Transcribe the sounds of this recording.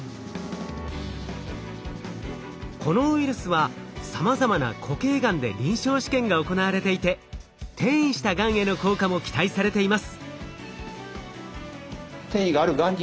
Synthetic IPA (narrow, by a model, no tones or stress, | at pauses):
kʰo̞no̞ɯiɾɯ̟sɨβa | samazamana̰kʰo̞ke̞ːɡãnd̪e̞̰ɾʲĩɰ̃ɕo̞ːɕi̥kẽ̞ŋɡaoko̞naβaɾe̞t̪e̞it̪e̞ | t̪ʰẽ̞ɰ̃ĩɕi̥t̪aɡãɰ̃e̞no̞ko̞ːkamo̞kʲi̥t̪aisaɾe̞t̪e̞imasɨ̥ | t̪ẽɰ̃iɡaːɾɯ̟ɡãɲd͡ʑ